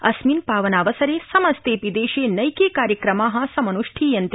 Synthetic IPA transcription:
ɐsmiːnpaːʋɐnaːʋɐsɐɾeːsɐmɐst̪eːpid̪eːʃeːnɐjkeːkaːɾjɐkɾɐmaːɦɐ̆sɐmɐnuʂʈʰiːjɐnt̪

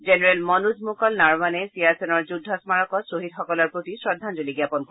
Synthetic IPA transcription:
zenɛɹɛlmɔnudmukɔlnaɹmanɛsijaɹsɛnɔɹd͡ʒudʱɔsmaɹɔkɔsoɦid̪xɔkɔlɔɹpɹot̪isɹɔd̪ʱːanzoliɡjapɔnko

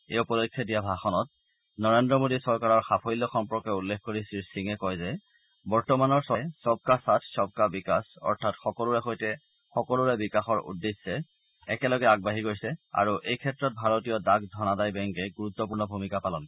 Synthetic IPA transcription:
epɔdokʰːjɔdijabʱaxɔnɔt | nɔɹendɹɔmodisɔɹkaɹɔɹxapʰojlːɔxɔmpɔɹkɛulːexkːoɹisilsiŋɛkɔjzɛ | bɔɹtɔmanɔɹsɔjsɔb̚kasatʰsɔb̚kabikasɔ̰ɹtʰatxɔkɔluɹɛxojtɛ | xɔkɔluɹɛbikaxɔɹṵdːesːɛ | ɛkɛlɔɡɛaɡ̚baɦiɡojsɛa̰ɹuʔejkʰɛtːɹɔt̚bʱaɹotijɔdaɡdʱɔnadajbɛŋkɛɡuɹut̪ːɔpuɹnɔbʱumikapalɔn

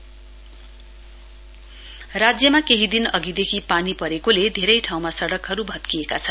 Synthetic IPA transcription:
rad͡zjʌmakeɦid̪inʌɡid̪ekʰipanipʌɾekoled̪ʱeɾʌjʈʰaw̃masʌɽʌkɦʌɾubʱʌt̪̚kijekat͡sʰʌn

